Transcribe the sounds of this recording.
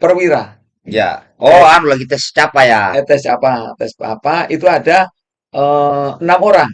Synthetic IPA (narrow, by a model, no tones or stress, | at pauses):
pərwiɾa | ja̰ | oanulaɡit̪ɛst͡ʃapajat̪ɛsapat̪ɛspa̰pait̪uada | ʔəənamoɾaŋ